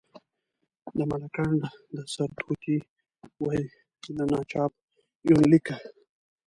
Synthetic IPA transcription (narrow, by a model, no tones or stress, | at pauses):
d̪əmalakandd̪əsaɾt̪ʰut̪i | waj | nanɑt͡ʃɑp | junlika